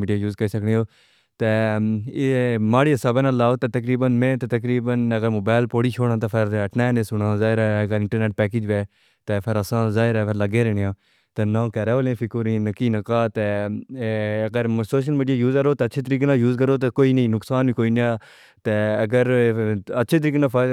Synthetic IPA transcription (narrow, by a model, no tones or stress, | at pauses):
miːɖɪjaːjuːzkəɾiːsəknẽːoː | t̪eː | maːɽiːəsaːbeːnãːlaːot̪eːt̪əkɾiːbənmẽːt̪eːt̪əkɾiːbənəɡəɾmoːbaːɪlpoːɽiːt͡ʃʰoːɽãːt̪aːpʰɪɾəʈʰnaːneːsʊnãːzaːɪɾaːəɡəɾɪ̃ɳʈəɾneːʈ̚pɛːkeːd͡ʒʋeː | t̪eːpʰɪɾəsãːzaːɪɾaːpʰɪɾləɡeːɾɛːɳɪjãː | t̪eːnãːkɛːɾeːʋolẽːfʰɪkoːɾĩːnəkiːnəkaːt̪eː | əɡəɾsoːʃ̬əlmiːɖɪjaːjuːzəɾoːt̪eːtːʃʰeːt̪əɾiːkːnaːjuːzkəɾoːt̪eːkoːiːniːnʊksaːnĩːkoːiːnjãː | t̪eːəɡəɾətːʃʰeːt̪əɾiːkːnãːfʰ